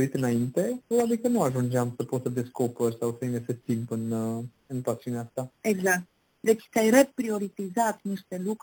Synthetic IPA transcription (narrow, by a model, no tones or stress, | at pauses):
ɾit̪ənaint̪ɛpɔad̪ikənuaʒund͡ʒamsəpɔt̪əd̪ɛskɔpəɾsaθɛmɛsɛt̪impənə | nəpasɔnaaft̪aɛɡzak̚t̪ | ðɛki̥sajɾɛpɾiɔɾit̪izat̪niʃt̪ɛluk